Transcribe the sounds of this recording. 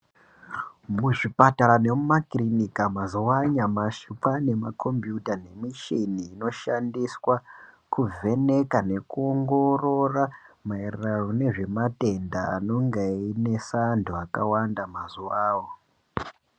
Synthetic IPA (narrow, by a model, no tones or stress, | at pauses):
muʐipataɾane̞mumakrinikamazuwaɲamaʃupane̞makʰo̞mbjutane̞miʃiniːno̞ʃandiswa | kuve̞ne̞kane̞kuoŋɡo̞ro̞ramaerrarone̞ʐe̞mate̞nda̰ːno̞ŋɡeine̞sandʱoaka̰wandamazuwaːwo